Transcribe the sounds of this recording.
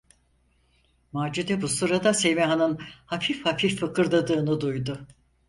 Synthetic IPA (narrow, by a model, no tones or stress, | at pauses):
maːd͡ʒid̪ɛbusuɾad̪asemeɦanɯnhafifhafifːɯkʰɯɾd̪ˠad̪ɯːnɯd̪ujd̪ʊ